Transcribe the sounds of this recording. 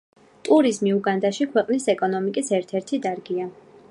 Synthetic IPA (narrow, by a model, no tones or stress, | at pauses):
t̪ʼuɾizmiuɡand̪aʃikʰwɛqʼnisɛkʼɔnɔmikʼisɛɾt̪ʰɛɾt̪ʰid̪aɾɡia